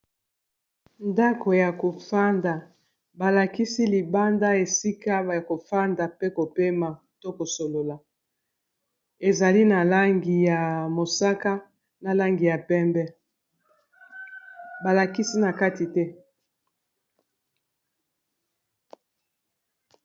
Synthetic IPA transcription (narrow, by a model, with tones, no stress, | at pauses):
nda˦ko˨ja˨ko˨fa˦nda˨ | ba˨la˨ki˦si˦li˨ba˦nda˦e˨si˦ka˦˨ko˨fa˦nda˨pe˦ko˨pe˦ma˨ | to˦ko˨so˨lo˨la˨ | e˨za˨li˦na˨la˦ŋɡi˨ja˨mo˨sa˦ka˦ | na˨la˦ŋɡi˨ja˨pɛ˦mbɛ˦ | ba˨la˨ki˦si˦na˨ka˦ti˨tɛ˦